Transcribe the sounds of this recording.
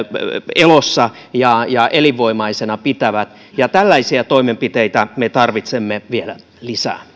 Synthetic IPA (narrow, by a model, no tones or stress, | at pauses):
elosːɑ | jɑjɑʔeliʋːoimɑisenɑpit̪æʋæt̪ | jɑt̪ælːæisiæt̪oimempit̪eit̪æmet̪ɑrʋit̪semːeʋielæ | lisæ̰ː